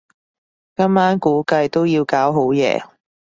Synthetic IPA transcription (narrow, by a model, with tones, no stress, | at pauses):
kɐ˥mːaː˥nkuː˨˥kɐ˧jt̪o˥wjiː˧wkaː˨˥wɦo˨˥wjɛ̰ː˨˧